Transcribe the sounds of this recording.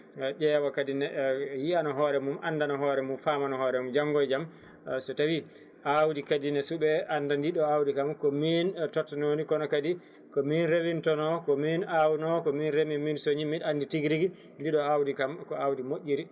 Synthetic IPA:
d͡ʒɛːwakadinɛjianɔɦɔɾɛmumʔanːdanɔɦɔːɾɛmumfamanɔhɔːɾɛmumd͡ʒaŋɡɔjd͡ʒam | sɔtawi | ʔawdikadinɛsuɓɛʔandandiɗɔawdikamkɔmintɔtːnonikɔnɔkadi | kɔminɾewintɔnɔkɔminawnɔkɔminɾemiminsoɲiminanditiɡɾiɡi | ndiɗɔawdikamkɔawdimoʔʲːiɾi

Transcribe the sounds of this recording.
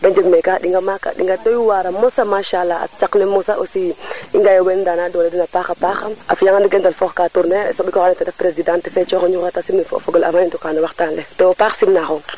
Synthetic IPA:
dand͡ʒebmekaɗiŋɡamaka̰ɗḭŋɡadojuwaɾamɔsamaːʃalaa̰t͡ʃaknɛmɔsaʔosiiŋɡajowendanadɔledinapaːxapaxama̰fjaŋandiɡɛndalfɔxkatuɾnesɔbikɔanɛtɛdɛfpɾezidãntɛfɛt͡ʃɔxoɲuxatasimnɛffɔɡola̰manindukaːnɛwaxtanletɛwopaːxsimnaxo

